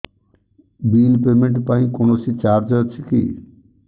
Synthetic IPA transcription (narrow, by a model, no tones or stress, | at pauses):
biːlpemeɳʈpãĩkonosit͡ʃaɾd͡ʒət͡ʃʰikḭ